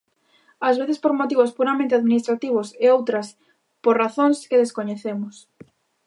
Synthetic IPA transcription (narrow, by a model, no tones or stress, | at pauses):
azβeθespoɾmot̪iβospuɾamẽnt̪eaðminist̪ɾat̪iβ̞oseowt̪ɾɐs | poɾraθõŋskeðeskoɲeθemʊs